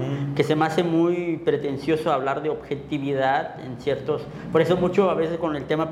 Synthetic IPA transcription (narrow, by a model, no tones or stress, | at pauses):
ke̞semase̞mujpɾe̞t̪e̞nsjo̞soaβlaɾðe̞oβxe̞t̪iβiðaðḛnsje̞ɾt̪o̞s | po̞ɾe̞so̞mut͡ʃo̞aβe̞se̞sko̞ne̞lt̪e̞ma